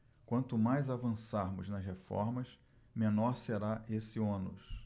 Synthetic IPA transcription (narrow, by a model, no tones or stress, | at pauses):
kwɐ̃nt̪ʊmajzavɐ̃saɾmʊznɐshefɔ̰ɾmɐs | mẽnɔɾseɾaesɪõnʊ̰s